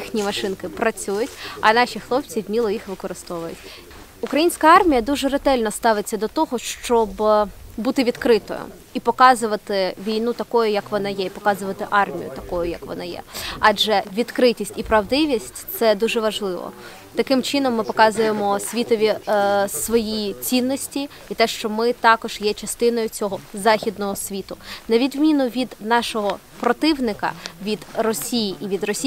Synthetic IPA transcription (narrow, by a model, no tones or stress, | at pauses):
ixnʲimɐʃɪnkɪpɾɐt͡sʲujʊtʲɐ̰nɑʃʲixlˠɔp̚t͡sʲiwmʲilˠɔjixʋɪkɔɾɨst̪ɔʋɐjʊ̰tʲ | ʊkɾɐjinʲsʲkɐɑrmʲijɐd̪uʒɛɾet̪ɛlʲnɔst̪ɑʋɪt͡sʲːɐd̪ɔt̪ɔɦɔʃt͡ʃɔbbut̪ɪʋʲid̪kɾɪt̪ɔ̰jʊ̰ | ipɔkɑzʊʋɐt̪ɪʋʲijnut̪ɐkɔjʊjɐkʋɔnɑjɛipɔkɑzʊʋɐt̪ɪʔɑrmʲḭjʊ̰t̪ɐkɔjʊjɐkʋɔ̰nɑjɛ̰ɑd͡ʒɛʋʲid̪kɾɪtʲisʲtʲipɾɐwd̪ɪʋʲisʲtʲt̪sɛd̪uʒɛʋɐʒlˠɪʋɔ̰ | t̪ɐkɪmt͡ʃɪnɔmːɪpɔkɑzʊjemɔsʲʋʲit̪ɔʋʲisʋɔjit͡sʲinːɔsʲtʲi | it̪ɛʃt͡ʃɔmɪt̪ɑkɔʒ̥jɛt͡ʃɐst̪ɪn̪ɔjʊt͡sʲɔɦɔzɑxʲid̪nɔɦɔsʲʋʲit̪ʊnɐʋʲid̪mʲinʊʋʲid̪nɑʃɔɦɔ | pɾɔt̪ɪwnɪkɐ̰ʋʲid̪rɔsʲijiʔiʋʲid̪rɔsʲ